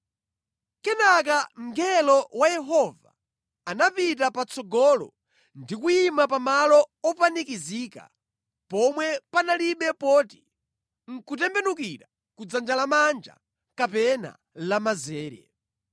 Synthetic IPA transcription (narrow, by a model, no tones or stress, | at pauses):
kɛnak̬am̩ɡɛlɔwajɛɦɔva̰ | anapit̬apat͡sɔɡɔlɔ̰ | ndikuimapamalɔɔpanikiziːka̰ | pɔmwɛpanaliɓɛpɔːti̥ | ŋ̩kutɛmbɛnuk̬iɾa | kud͡zand͡ʒalamand͡ʒa̰ | kapɛna̰ | lamazɛːɾɛ̰